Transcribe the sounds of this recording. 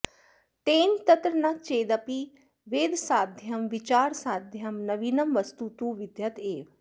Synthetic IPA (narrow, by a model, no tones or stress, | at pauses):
ʈeːnt̪ɐt̪ɾənat͡ʃeːd̪ɐpi | ʋeːd̪saːd̪ʱjɐmʋɪt͡ʃaːɾsaːd̪ʱjɐmnɐʋiːnɐmʋɐst̪ut̪uːʋɪd̪jɐt̪eːʋ